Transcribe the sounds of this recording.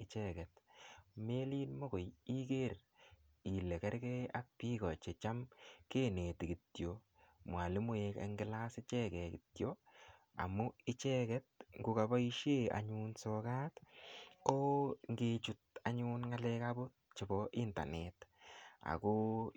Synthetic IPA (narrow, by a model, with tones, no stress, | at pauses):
ɪt͡ʃɛkɛ˨tme˦li˦nmo˦ko˨ji˦ke˦r | i˨le˨kɛ˦ɾkɛ˦a˦k̚pi˦kɔ˨t͡ʃe˨t͡ʃa˦mke˦ne˨ti˨kɪ˨tjo | mwa˨lɪ˦mʊ˦e˧kḛ˨ŋɡɪ˦la˦sɪ˦t͡ʃɛ˦kɛ˨kɪtjo | a̰˨mʊ˦ɪ˦t͡ʃɛ˦kɛ˦t̚ŋɡu˧ka˨ba˦iʃe˦a̰˨ɲunsɔka˦tkɔ˦ŋɡe˨t͡ʃu˨ta˨ɲʊ˦nŋa˦lɛ˦kabo˦t̚t͡ʃɪ˨bɔʔɪ˦nta̰˨neta̰˨ko